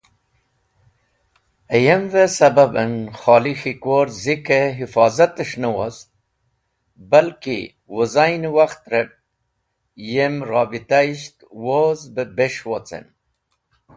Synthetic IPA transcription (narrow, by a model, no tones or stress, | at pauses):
əjemvesɐbabənxɑːlixikoɾzikeɦifɑːzat̪əʂnəwos | balkḭ | wuzajnwaxt̪ɾep̚ | jemɾɑːbit̪aiʃt̪wozbebeʃwot͡sḛn